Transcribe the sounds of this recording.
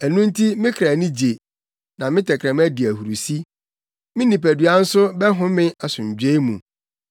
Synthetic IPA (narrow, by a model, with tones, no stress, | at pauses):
æ˨nũ˦n̩˦tʰi˦mɪ̃˦kʰɾa˨nĩ˦d͡ʑe˨ | nã˨mɪ̃˦tʰɛ˨kʰɾɛ̃˨m˦æ˦di˨æ˨hu˨ɾu˨si˦ | mɪ̃˦nĩ˨pæ˨dɥa˦n̩˦sʊ˦bɛ˦ɦʊ̃˦mɪ̃˦a˨sʊ̃˨ɲ˨d͡ʑᶣe˦mũ˨